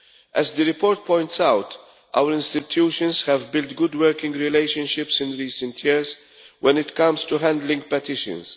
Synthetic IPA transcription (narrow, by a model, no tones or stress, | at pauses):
ʔɛzd̪əɾɪpɔːɾt̪̚pɔ̃ɪ̃ntsawt̪ | ʔa̰wəɾɪ̃nst̪ɪt̪ʰjuːʃə̃nshɛvbɪlt̪ɡʊd̪wəɾkɪ̃ŋɡɾɪleɪʃə̃nʃɪpsɪ̃nɹiːsə̃nt̪ʰjɪɹz | wʔɛ̃nɪt̪kʌ̃mst̪uɦæ̃nd̪lɪ̃ŋɡ̚pɛt̪ɪʃə̰̃ns